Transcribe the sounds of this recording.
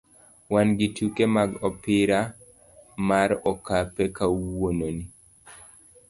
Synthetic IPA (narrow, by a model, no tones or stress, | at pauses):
wanɡitukemaɡɔpɪɾa | maɾɔkapɛkawononi